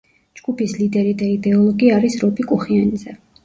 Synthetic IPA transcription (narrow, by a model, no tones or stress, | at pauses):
d͡ʒɡ̥upislid̪ɛɾid̪aid̪ɛɔlˠɔɡiaɾisɾɔpʼikʼuχianizɛ